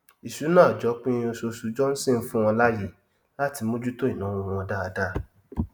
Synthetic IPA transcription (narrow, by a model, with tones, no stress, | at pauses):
i˨su˨˦nãː˦˨d͡ʒɔ˨˦k͡pĩ˦˧o˧so˧su˧d͡ʒɔ˦n̩˦sĩ˦˨˦fũ˦w̃ɔ̃˧la˦je˦˨ | la˦ti˧mo˦d͡ʒu˦to˦i˨nã˨˦wũ˧w̃ɔ̃˧da˦a˧da˦˨